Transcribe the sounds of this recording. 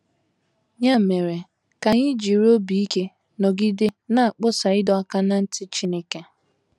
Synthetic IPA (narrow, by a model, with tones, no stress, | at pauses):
ɲa˦˨me˨ɾe˨ | ka˨ɲɪ˦d͡ʒi˨ɾo˦bi˨i˦ke˦ | nɔ˨ɡɪ˦dɪ˦na˦˨a˨k͡pʊ˦sa˨ɪ˦dɔ˦a˦ka˦na˦n̩˦tɪ˦t͡ʃi˦ne˦ke˦